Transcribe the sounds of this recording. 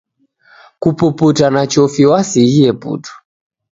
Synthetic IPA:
kupuputanat͡ʃɔfiwasiijɛpṵtu̥

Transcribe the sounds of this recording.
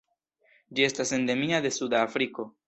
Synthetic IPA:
d͡ʒie̞stase̞nde̞miad̪e̞sudaːfɾiko̞

